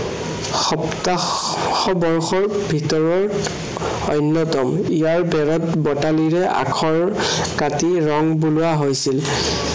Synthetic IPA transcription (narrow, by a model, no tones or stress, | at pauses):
xɔpta | xɔbɔɹxɔɹbʱitɔɹɔɹ | ɔjnːɔtɔmijaɹbɛɹɔtbɔtaliɹɛʔa̰kʰɔɹ | katiɹɔŋbulʊaɦojsil